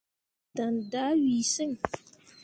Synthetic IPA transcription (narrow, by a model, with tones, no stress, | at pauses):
ta˨nda˨˦ɥi˨sɨ˦ŋ